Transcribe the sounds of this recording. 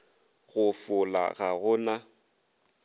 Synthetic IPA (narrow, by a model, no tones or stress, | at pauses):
ɣʊfʊla̰ɣaɣʊna